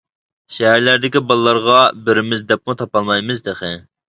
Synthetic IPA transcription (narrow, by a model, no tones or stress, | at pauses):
ʃɛɦæɾlæɾd̪ɪkʲibɑlˠɨlːˠɑɾʁɑbɪɾɪmɪzd̪ɛp̚qət̪ʰɑpɑlˠmɑjmɨzd̪eχɪ